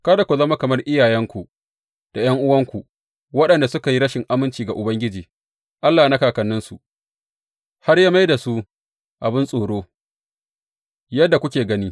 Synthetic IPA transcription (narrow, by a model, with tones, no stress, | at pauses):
ka˦da˨kʷu˨zɐ˦ma˦kɐ˨mɐ˦rʔɪ˦jaː˨jɛ˦ŋkʷu˨ | d̥a˨jɐ˦ŋʔʊ˦wɐ˦ŋkʷu˨ʔ | wɐ˦ɗɐ˨nda˨sʊ˦ka˨ji˦ɽɐ˦ʃɪ˨ŋʔa˦mɪ˦nt͡ʃiː˨ɡa˨ʔʊ˨bɐ˦ŋɡʲɪ˦d͡ʒiː˨ | ʔa˦lːaː˨na˦kaː˨kɐ˨nːɪ˦nsu˨ʔ | ha˦rjaː˦ma˦jda˨su˦ʔ | ʔa˨bɪ˦nsʼoː˨ɽoː˦ | jɐ˦dːa˨kʷʊ˦kʲeː˨ɡɐ˦niː˦